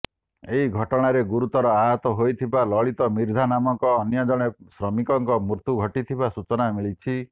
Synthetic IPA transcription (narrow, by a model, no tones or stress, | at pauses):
eɦiɡʱɔʈɔɽ̃aɾeɡuɾut̪ɔɾɔaɦɔt̪ɔɦojt̪ʰibalɔɭit̪ɔmiɾd̪ʱanamɔŋkɔːnjɔd͡ʒɔɽ̃esɾɔmikɔŋkɔmuɾt̪uɡʱɔʈit̪ʰibasut͡ʃɔnamiɭit͡ʃʰi